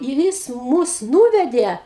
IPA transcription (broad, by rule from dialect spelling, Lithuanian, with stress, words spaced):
ɪr ˈjɪs ˈmʊs ˈnuːʋʲɛdʲeː